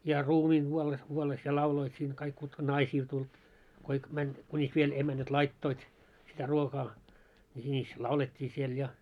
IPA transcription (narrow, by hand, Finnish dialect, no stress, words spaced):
jɑ ruːmiːŋ ɡ̊uolːes kuolːes jɑ lɑuloit siːŋ kɑik kutkɑ nɑisiːl tulʲ koik mænʲ kunʲis ʋiel emænæt lɑitːoit sitæ ruokɑː ni sinʲis lɑuletʲːiː siel jɑ